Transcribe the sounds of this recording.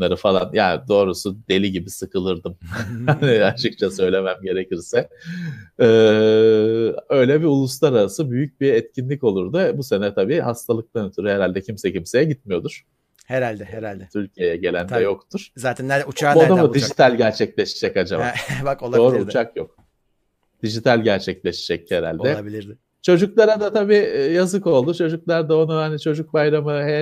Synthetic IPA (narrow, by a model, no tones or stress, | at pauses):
aɾɯfalˠa̰njaːnd̪o̞ːɾusud̪e̞lʲiɟibisɯkʰɯlˠɯɾd̪ɯmaniat͡ʃʰɯkt͡ʃʰasø̞jlʲe̞mæmɟe̞ɾecʰiɾsɛ | ɯː | ø̞jlʲɛbiulˠus̬lˠaɾaɾasɯbyjyc̚biɛt̪cʰinlʲico̞lˠuɾd̪ɯbuse̞nɛt̪ʰabiːhast̪ʰalˠɯk̚t̪ˠanøt̪ʰyɾheɾalʲd̪ɛcʰimsɛcʰimse̞jɛɟit̪mijo̞d̪uɾ̥ | heɾalʲd̪ɛɾad̪ɛt̪ʰylʲcʰijejɛɟe̞lʲænd̪ɛjo̞kt̪ʰuɾ̥zaːt̪ʰænːæɾd̪ɛut͡ʃaod̪amud̪id͡ʒit̪ʰælʲɟæɾt͡ʃʰɛclʲeʃid͡ʒɛcad͡ʒababakolˠao̞ːɾuut͡ʃʰakjok̚ | d̪̥iʒit̪ʰælʲɟæɾt͡ʃʰɛclʲeʃi̥d͡ʒɛcheɾa̰lʲɛbilʲi | t͡ʃʰo̞d͡ʒuklˠaɾad̪at̪ʰabiːjazɯko̞lˠd̪ut͡ʃʰo̞d͡ʒuklˠaɾd̪ao̞nuhanit͡ʃʰo̞d͡ʒuk̚bajɾamɯhɛ